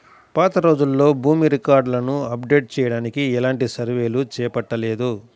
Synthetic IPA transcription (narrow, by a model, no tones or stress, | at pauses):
paːt̪ɐɾo̞ːd͡ʒulːo̞ːbuːmiɾikaːɾɖlɐnuɐpɖe̞ːʈ̚t͡ʃɛːjɐɽaːnikiɛlaːɳʈisɐɾʋe̞ːlut͡ʃɛːpɐʈːɐle̞ːd̪u